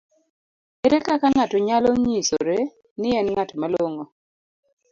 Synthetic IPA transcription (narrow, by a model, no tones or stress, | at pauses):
eɾekakaŋatɔɲalɔɲiso̰ɾe | nɪɛnŋatmaloŋo